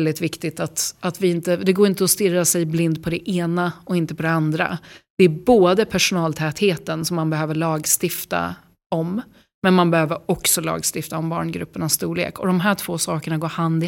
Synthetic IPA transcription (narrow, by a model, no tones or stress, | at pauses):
ld̪ɪt̪vɪkt̪ɪt̪at̪at̪vɪɪnt̪əd̪ɛɡoːɾɪnt̪əɔst̪ɪɾːasɛjblɪnd̪̚pʰɔd̪ɛʔeːnaɔɪnt̪əpʰɔd̪ɛand̪ɾa̰d̪̥ɛæboːd̪əpʰæʂʊnɑːlt̪ʰɛːt̪heːt̪ənsɔmːanbɛɦøːvəɭɑːɡst̪ɪft̪a̰ | ɔm | mɛnmanbɛhøːvəɾɔksɔlɑ̰ːɡst̪ɪft̪aɔmbɑ̰ːɳɡɾɵ̰pːəɳast̪uːɭḛːkʰɔd̪ɔmɦæːʈʰv̥oːsɑːkəɳaɡoːɾhand̪ɪ